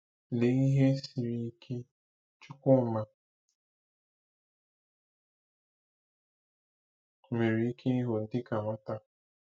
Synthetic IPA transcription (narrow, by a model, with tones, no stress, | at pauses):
ne˨i˦ɦe˦si˨ɾi˦kʰe˦ | t͡ʃʊ˦kʷʊ˦ma˨ | me˨ɾe˨i˦kʰe˦i˦ɦo˨n̩˦dɪ˦ka˨ma˦ta˦